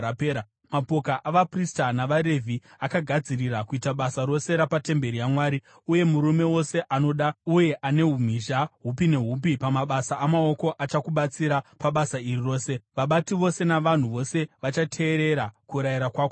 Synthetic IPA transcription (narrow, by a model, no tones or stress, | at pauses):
apeːɾa | mapo̞kaʔaʋapristanaʋaɾe̞vʱiakaɡʱad͡zirirakuitaɓasaɾo̞se̞ɾapate̞mbe̞ɾijamwaːɾi | uje̞muɾume̞wo̞se̞ʔano̞ɗauje̞ʔane̞ɦum̤iːʒaɦupine̞ɦuːp̬ipamaɓasaʔːmao̞ko̞ʔat͡ʃakuɓat͡siɾapaɓasairiro̞ːse̞ʋaɓatiʋo̞se̞naʋan̤uʋo̞se̞ʋat͡ʃatʰe̞ːɾe̞ɾakuɾajiɾakwaːko